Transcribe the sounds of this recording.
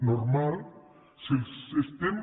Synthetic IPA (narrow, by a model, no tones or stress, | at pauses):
noɾmal | silist̪em